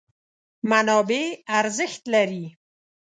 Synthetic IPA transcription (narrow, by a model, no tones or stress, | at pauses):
manɔbeaɾzɪxt̪laɾi